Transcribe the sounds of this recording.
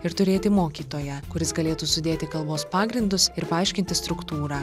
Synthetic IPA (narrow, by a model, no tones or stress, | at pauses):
ɪɾt̪ʊɾʲeːt̪ʲɪmoːkʲiːt̪oːjɛkʊɾʲɪsɡɐlʲeːt̪uːsʊd̪ʲeːt̪ʲɪkɐlˠboːspɑːɡɾʲɪnd̪ʊsɪɾpɐɐɪʃʲkʲɪnʲt̪ʲɪst̪ɾʊkt̪uːɾɑː